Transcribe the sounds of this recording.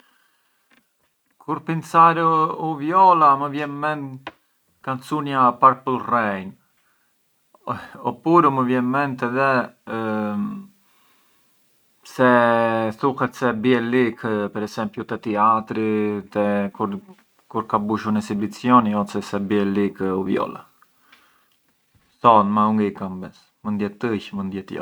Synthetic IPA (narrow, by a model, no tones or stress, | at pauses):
kʰuɾpinsaɾuvjɔlaməvjɛnmɛn | kansunjapaɾpulˠrɛjn | ɔpuɾuməvjɛnmɛnt̪ɛðɛ | sɛθuhɛt̪sɛbiɛlikpɛɾɛsɛmplut̪ɛt̪iat̪ɾit̪ɛkuɾ | kuɾkabuʃunɛsibit͡sjɔniɔsɛsɛbiɛlikuvjɔ̰la̰ | θɔnmauŋɡɛkambɛs | mənd̪jɛt̪əçmənd̪jɛt̪jɔ̰